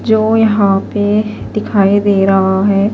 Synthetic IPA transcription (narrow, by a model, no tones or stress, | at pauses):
d͡ʒoːjɐɦãpe | d̪̥ɪkʰaːid̪eːɾɐɦaɦɛː